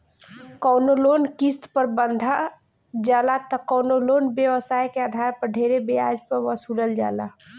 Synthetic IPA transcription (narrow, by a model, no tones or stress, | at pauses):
kɔʊnoloːnkist̪pəɾbənd̪ʱa | d͡ʒaːlat̪ɔkɔʊnoloːnbjəwəsajkeəd̪ʱaɾpəɾɖʱeɾebead͡ʒpəɾʋəsuːləld͡ʒa̰ːla̰